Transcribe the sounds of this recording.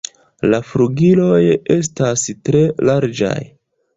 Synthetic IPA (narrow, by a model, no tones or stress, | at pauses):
lafɾuɡilo̞je̞s̬tastɾe̞laɾd͡ʒa̰j